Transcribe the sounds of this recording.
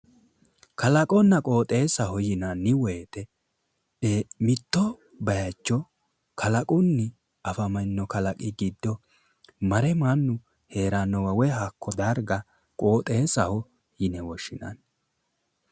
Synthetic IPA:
kɐlɐkʼɔnːɐkʼoːt̪ʼe̞ːsɐhɔjɪnɐnɪwɔjt̪ɛ | emɪt̪ːɔ | bɐjɐt͡ʃːɔ | kʰɐlɐkʼʊnːɪ | ɐfɐmɐnːɔkɐlɐkʼɪɡid̪ːɔ | mɐɾɛmɐnːʊ | he̞ːɾanːɔwɐwɛhɐkːɔd̪ɐɾɡɐ | kʼo̞ːt̪ʼeːsɐhɔ | jɪnɛwɔʃɪnɐ̰n

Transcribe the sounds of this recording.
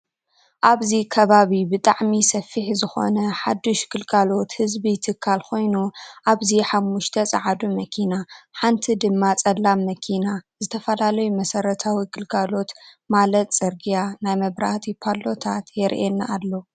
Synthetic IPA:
ʔaβzikʰɐβaβibɨt̪ʼaʕmisɐfːiħzɨxo̞̰nɐħad̪ːuʃɡ̥ɨlɡʰalo̞t̪hɨzbit̪ʰɨkʰːalkʰo̞jnuʔaβziħamːuʃt̪ʰɐt͡sʼɐʕad̪umɐkʰinaħant̪ʰid̪ɨmːat͡sʼɐlːamːɐkʰinazɨt̪ʰɐfɐlalɐjumɐsɐɾɐt̪ʰawiɡ̥ɨlkʰʼalo̞t̪ | malɐt̪t͡sʼɨɾɡijanajmɐβɾaht̪ʰipʰalːo̞t̪ʰat̪jɛɾʔɛnːaːlːo

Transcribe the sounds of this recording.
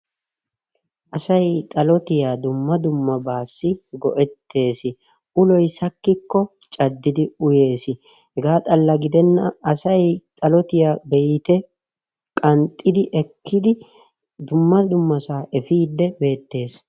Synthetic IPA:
ʔɐsɐjt̪ʼɐlɔt̪ɪjaːd̪ʊmːɐd̪ʊmːɐbaːsːɪɡɔʔɛt̪ːe̞ːsɪ | ʔʊlɔjsɐkːɪkːɔt͡ʃʼɐd̪ːɪd̪ɪʊje̞ːsɪ | hɛɡaːt̪ʼɐlːɐɡɪd̪ɛnːɐɐsɐjt̪ʼɐlɔt̪ɪjaːbɛjɪt̪ɛ | kʼɐnt̪ʼːɪd̪ɪʔɛkʰːɪd̪ɪ | d̪ʊmːɐsd̪ʊmːɐsaːʔɛfiːd̪ːɛbe̞ːt̪ːe̞ːs

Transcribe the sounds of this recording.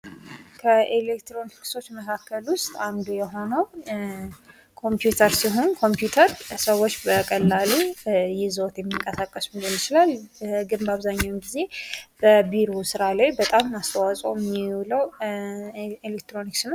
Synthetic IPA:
kʰəelekt̪ɾo̞nikso̞t͡ʃːməkʰakʰːəlwʊst̪ʼand̪ujɛɦo̞nəw | kʰo̞mpjut̪ʰəɾsiɦo̞nkʰo̞mpjut̪ʰəɾsəwːot͡ʃːbəkʼəlːalujɪzot̪jɛmːiŋkʼəsakʼːəsumibəlɪt͡ʃɪlalɡɨnbaβzaɲːawmɡize̞b̥əbiɾosɨɾalajbət̪ʼamast̪ʰəwasʼo̰mːiwləw | elekt̪ɾo̞niksn

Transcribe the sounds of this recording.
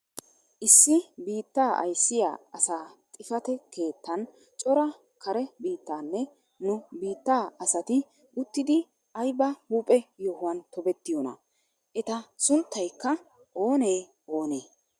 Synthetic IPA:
ʔɪsːɪbiːt̪ːaːʔɐ̰jsːɪja̰ːɐsaːt̪ʼɪfɐt̪ɛkʰe̞ːt̪ːɐn | t͡ʃʼɔɾɐ | kʰɐɾɛbiːt̪ːaːnːɛ | nʊbiːt̪ːaːɐsɐt̪ɪ | ʊt̪ːɪd̪ɪ | ʔɐjbɐhuːpʼɛjohʊwɐnt̪ɔbɛt̪ːɪjɔnɐ̰ | ʔɛt̪ɐsʊnt̪ːɐjkːɐ | o̞ːneː | oːneː

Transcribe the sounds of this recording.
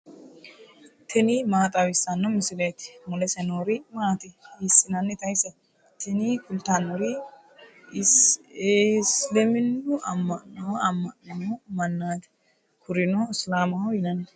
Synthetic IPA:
t̪ʰɛnɪmaːt̪ʼɐwɪsːɐnːɔmɪsɪlet̪ɪ̥mɔlɛsɛnoːɾɪmaːt̪ɪɪsːɪnɐnːɛt̪ɐjsɐ | t̪ʰɛnikʊlt̪anːɔɾɪ | slɛmɪndʊɐmːɐʔnɐwɐmːɐnɐomɐnːaːt̪ɛ̥ | kʰʊɾɪnoɪslaːmɐwjɪnɐnːɛ

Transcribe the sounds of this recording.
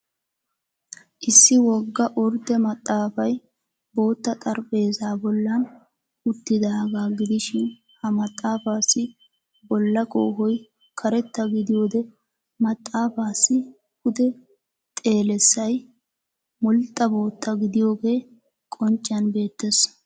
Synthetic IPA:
ʔɪsːɪwɔɡːɐʔɔɾd̪ɛmɐt̪ʼːaːfɐj | bo̞ːt̪ːɐt̪ʼɐɾpʼe̞ːzaːbɔlːɐn | ʊt̪ːɪd̪ɐɐɡaːɡɪd̪ɪʃɪn | hɐmɐt̪ʼːaːfaːsːɪ | bɔlːɐkʼo̰ːɦɔj | kʰɐɾɛt̪ːɐɡɪd̪ɪjo̞ːd̪ɛ | mɐt̪ʼːaːfaːsːɪ | hʊd̪ɛ | t̪ʼe̞ːlɛsːɐj | mʊlt̪ʼːɐbo̞ːt̪ːɐɡɪd̪ɪjo̞ːɡe̞ː | kʼɔnt͡ʃʼːɪɐnbe̞ːt̪ːes

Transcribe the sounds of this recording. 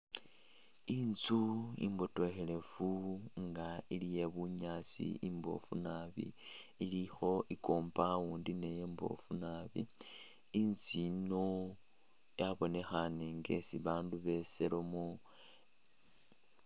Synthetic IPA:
int͡suḭmbo̞to̞xele̞fuŋɡailije̞βuɲaːt͡sḭimbo̞̰fṵnaβḭːlixo̞ʔikoːmpawuːndine̞jeːmbo̞̰funaβḭ | int͡sino | jaβo̞ne̞xaneŋɡe̞̰siβaːnduβe̞se̞lomu

